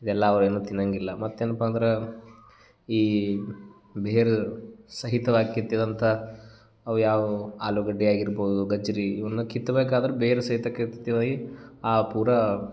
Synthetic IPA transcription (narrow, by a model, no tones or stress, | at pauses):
id̪ɛlːɐːʋɐɾeːnuːt̪inɐŋɡilːɐmɐt̪ːeːnɐpaːnd̪ɐɾe | iː | beːɾesɐɦit̪ɐʋaːɡikːit̪ːiɐd̪ɐnt̪ʰɐ | ɐʋujaːʋuaːluɡɐɖːiaːɡiɾboːd̪uɡɐd͡ʒɐɾiːʋɐnːukit̪ːɐbeːkaːd̪ɐɾebeːɾesɐɦit̪ɐkːet̪t̪ːiʋaːɡiaːpuːɾɐ